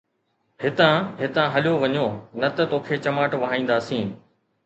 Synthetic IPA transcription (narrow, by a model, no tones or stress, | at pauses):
hɪt̪ãːɦɪt̪ãːɦɐljoʋɐɲoːnɐt̪ət̪oːkʰeːt͡ɕɐmaːʈʋɐɦãĩːnd̪aːsĩː